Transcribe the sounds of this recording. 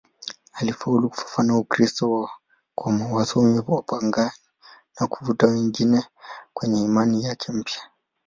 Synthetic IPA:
alifauluku̥fḁfanaukɾistɔwa | kʰɔmawasɔmipapaŋɡani | nakuvutawɛŋɡinɛkwɛɲɛimanijakʰɛm̩pjḁ

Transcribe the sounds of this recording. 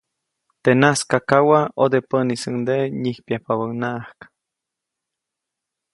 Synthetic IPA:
t̪enaskakawaod̪epənisəŋd̪eɲihpjahpaβənaʔhk

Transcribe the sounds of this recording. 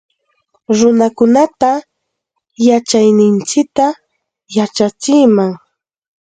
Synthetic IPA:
ɾʊnakʊnat̪a | jat͡ʃajnɪnt͡ʃɪk̚t̪a | jat͡ʃat͡ʃɪjmaŋ

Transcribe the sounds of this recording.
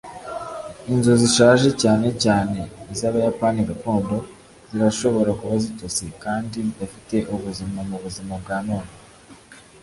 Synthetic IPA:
inzo̞ziʃaːʒe̞caːne̞caːne̞izaβajapaːniɡato̞ːndo̞ | z̥iɾaʃo̞βo̞ɾakuβazitot͡sekaːndidafite̞ʔuβuzimamuβuzimab̚ɡaːmoːno

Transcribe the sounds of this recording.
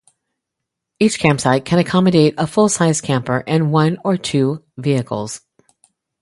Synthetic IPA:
it͡ʃkʰæ̃mpsaɪt̚kʰɨ̃ñɨkʰɑmɨɾeɪɾəfʊlˠsaɪz̥kʰæ̃mpə˞ʔɨ̃nwʌ̃nə˞tʰʉ | viɨkʰl̩ˠz̥

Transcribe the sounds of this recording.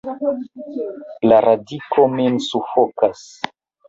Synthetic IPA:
laɾadikʰomensufokas

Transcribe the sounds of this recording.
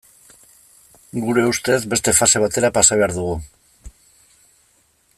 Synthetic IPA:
ɡuɾe̞ust̪e̞zbe̞st̪e̞fase̞β̞at̪e̞ɾapasaβe̞aɾðuɣu

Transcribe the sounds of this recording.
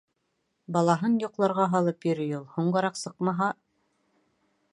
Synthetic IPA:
bɑlˠɑɦɤnjŏqlˠɑɾʁɑɦɑlˠɤpjɵ̆ɾɵjulˠhuɴɢɤ̆ɾɑqsɤqmɑɦɑ

